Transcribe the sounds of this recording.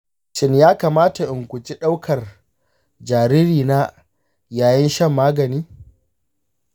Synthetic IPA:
ʃɪ˦njaː˦kaː˨maː˦ta˨ʔɪ˨ŋkʷʊ˨t͡ʃi˦ɗa˦wkʰɐ˨r | d͡ʒaː˨ɾiː˦ɾiː˨na˦ | jaː˨jɐ˦nʃɐ˦˨mːaː˦ɡɐ˨niː˦

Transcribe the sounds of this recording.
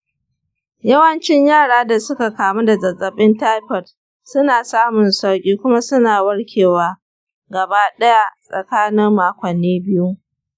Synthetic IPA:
jɐ˦wɐ˦nt͡ʃɪ˦ɲjaː˦˨ɽaː˦da˨sʊ˦ka˨kaː˨mu˦da˨zɐ˨zʼɐ˨ɓʼɪ˦ntaː˦jɸɔ˨t | sʊ˦naː˨saː˦mʊ˨nsa˦wkʲʼiː˦kʷʊ˦ma˦sʊ˦naː˨wɐ˦ɽkʲʰeː˨waː˦ | ɡɐ˨baː˦ɗɐ˦ja˦sʼɐ̰˨kaː˦nɪ˦mːaː˦kʷɐ˨nːeː˦bɪ˦ju˦

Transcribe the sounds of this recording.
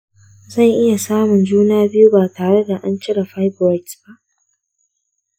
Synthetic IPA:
zɐ˦˨ŋʔɪ˦ja˨saː˦mʊ˨nd͡ʒuː˦naː˦bɪ˦ju˦baː˨taː˨ɽe˦da˨ʔa˦nt͡ʃɪ˦ɽa˨ɸa˦jbwa˦jtb̥a˦˨ʔ

